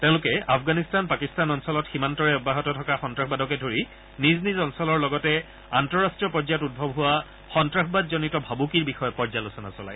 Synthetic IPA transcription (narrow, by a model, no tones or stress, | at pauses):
tẽʊ̃lʊkɛafʰɡanistanpakistanɔnsɔlɔtximantɔɹɛɔbːaɦɔtɔtʰɔkaxɔntɹaxbadɔkɛdʱoɹi | niznizɔnsɔlɔɹlɔɡɔtɛ | antɔɹastɹiɔpɔɹzatud̚bʱɔbɦʊwa | xɔntɹaxʰbadzɔnitɔbʱabukiɹbixɔjɔpɔɹzalosɔna̰sɔla̰j